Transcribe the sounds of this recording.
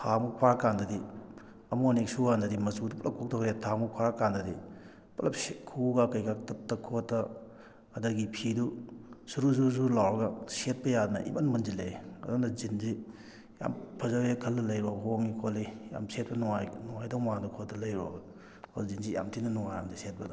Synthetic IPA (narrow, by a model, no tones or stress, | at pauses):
pʰamupʰaɾkandɐdi | ɐmuonik̚suɡandɐdimɐsudupɐlɐkʰːuk̚tʰɔkʰɾjatʰamupʰaɾkandɐdi | pɐlɐpskʰuɡakɐjkak̚tɐp̚tːɐkʰotːɐː | dɐɡipʰidusuɾuzuzulawɾɐɡɐset̚pɐjadnɐʔḭmanmɐnzileɐ̰dɔŋdɐzinzi | ja̰mpʰɐzawekʰɐlːɐlɐjɾuabɐɦoŋːikʰolija̰mset̚pɐnɔŋajnɔŋajdɔŋmadukʰɔtːɐlɐjɾua̰ɡɐ | zinzija̰mtʰinɐnɔŋajamdiset̚pɐdɔ